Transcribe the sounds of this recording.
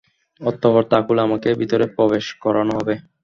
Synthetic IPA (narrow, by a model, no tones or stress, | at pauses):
ɔt̪ːɔboɾt̪akulamakebit̪oɾepɾɔbeʃkɔɾanoɦɔbe